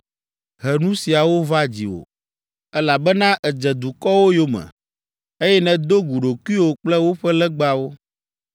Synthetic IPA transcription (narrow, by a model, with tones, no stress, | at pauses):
ɦɛ˨nũ˦si˨a˨wo˦va˦d͡ʑḭ˨wo̰˨ | ɛ˦la˨bɛ˦nã˦ʔɛ˨d͡ʒɛ˨d̪u˨kɔ˦wo˦jo˦mɛ̰̃˨ | e˦jɛ˦nɛ̃˨d̪o˦ɡu˨ɖo˨ku˦i˦wo˨k͡plɛ˦wo˦ɸɛ˦lɛ˦ɡ͡ba˨wo˦